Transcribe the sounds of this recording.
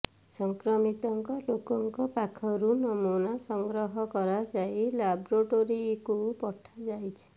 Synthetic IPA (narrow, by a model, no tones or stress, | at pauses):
sɔŋkɾɔmit̪ɔŋkɔlokɔŋkɔpakʰɔɾunɔmunasɔŋɡɾɔɦɔkɔɾad͡ʒajlabɾoʈoɾiekupɔʈʰad͡ʒajt͡ʃʰi̥